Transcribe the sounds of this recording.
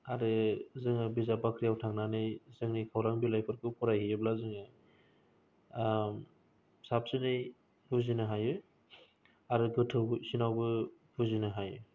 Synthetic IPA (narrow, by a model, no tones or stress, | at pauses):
aɾɯzɯŋɯbizapakʰɾijawtʰaŋnanɯjzɯŋnɯjkʰawɾaŋbilajpʰɔɾkʰɯpʰɔɾajhijɯblazɯŋɯ | sap̚sɯnɯj | buzinɯɦajɯ | aɾɯɡɯtʰɯwsinawbɯ | buzinɯɦajɯ